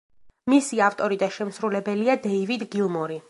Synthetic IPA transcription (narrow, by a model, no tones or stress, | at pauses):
misiaft̪ʼɔɾid̪aʃɛmsɾulɛbɛliad̪ɛivid̪ɡilˠmɔɾi